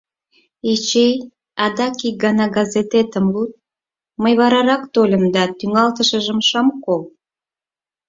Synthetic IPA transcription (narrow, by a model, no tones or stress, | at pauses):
et͡ɕej | ɑd̪ɑkik̚ɡɑnɑɡɑzet̪et̪əmlut̪̚ | məjβɑɾɑɾɑkt̪olʲəmd̪ɑt̪yŋɑlt̪əʃəʒəmʃɑmkol